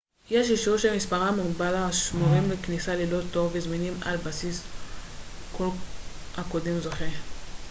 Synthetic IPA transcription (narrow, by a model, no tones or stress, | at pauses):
jeʃiʃuʃemispaʁamuɡbalaaʃmoʁimleknisalilo̞t̪o̞vezminima̰lbasis | kolhako̞demzoχe